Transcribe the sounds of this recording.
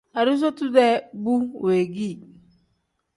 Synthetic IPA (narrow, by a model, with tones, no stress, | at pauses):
a˨ɾu˦s̬o˦tu˦ðɛ˦bu˦˨we˨ɡi˦˨